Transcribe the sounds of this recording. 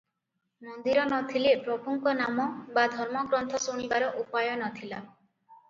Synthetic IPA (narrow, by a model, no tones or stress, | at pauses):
mɔnd̪iɾɔnɔt̪ʰilepɾɔbʱuŋkɔnamɔbad̪ʱɔɾmɔɡɾɔnt̪ʰɔsuɽ̃ibaɾɔʔupajɔnɔt̪ʰila